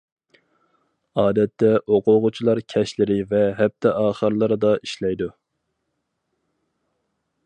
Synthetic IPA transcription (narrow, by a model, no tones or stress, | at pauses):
ɑːd̪ɛt̪ʰːɛʔoqʰʊʁʊt͡ʃʰilˠɑɾkʲʰɛʃlɪɾɪvɛɦɛp̚t̪ʰɛʔɑːχəɾlˠɨɾɨd̪ɑiʃlɛjd̪u